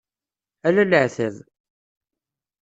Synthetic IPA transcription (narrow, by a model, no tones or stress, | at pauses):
ælæləʕθæð